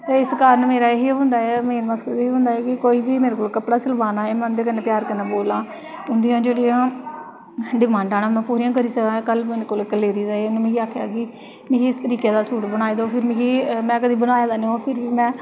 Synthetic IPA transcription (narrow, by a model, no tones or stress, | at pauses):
t̪eːɪskaːɾənmeːɾaːɦiːɦʊ̃nd̪aːɛːmeːnməksəd̪iːɦʊ̃nd̪aːɛːkɪkoːiːbiːmeːɾeːkoːlkəpɽaːt͡ʃəlbaːnaːeːmɛ̃nd̪eːk̬əneːpjaːɾkənaːboːlãː | ʊnd̪ɪjãːd͡ʒeːɽijãː | ɖɪmãːɳɖaːɽãːmɛ̃ːpuːɾijãːk̬əɾiːsəkãːkəlmeːɾekoːlkəleːɾiːzaeːʊñːmẽːɡiːaːkʰjaːkɪ | mɪ̃ːkiːɪst̪əɾiːkeːd̪aːsuːʈbəñaːeːd̪oːpʰɪɾmɪ̃ɡiːmɛ̃ːkəd̪iːbənaːjaːd̪aːnẽoːpʰɪɾʋiːmɛ̃ː